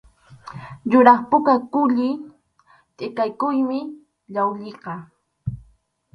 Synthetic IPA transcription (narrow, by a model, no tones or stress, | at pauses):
jʊɾɑχpʊkakʊʎɪ | t̪ʼɪkajkʊjmɪ | ʎawʎɪqɑ